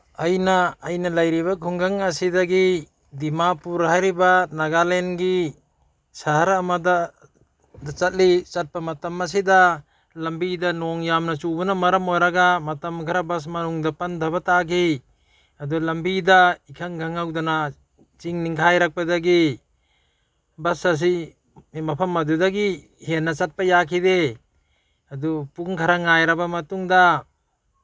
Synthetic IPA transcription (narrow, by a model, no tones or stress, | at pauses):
ajnaːjnalajɾiβakʰuŋɡaŋasidaɡi | dimapuɾɦajɾibanaɡalenɡi | saɦaɾamada | dat͡ʃat̚lit͡ʃat̚pamatamːas̬ida | lambidanɔŋjamnat͡ʃubunamɐɾamojɾaɡamɐtamɡʰaɾabas̬manuŋdapand̪ʱabataɡi | adulambidaikʰaŋɡaŋawdana | t͡ʃiŋniŋkʰajɾak̚padaɡi | bɐsas̬i | mɐpʰamːɐdudaɡi | henːat͡ʃat̚pajakʰide | adupuŋkʰaɾaŋajɾabamɐtuŋda